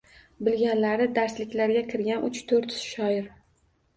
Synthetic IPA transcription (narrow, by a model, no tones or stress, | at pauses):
bɪlɡʲanlaɾɪd̪aɾslɪkʲlaɾɡʲakʲʰɪɾɡʲanʊt͡ʃt̪ʰoɾt̪ɪ̥ʃɒɪɾ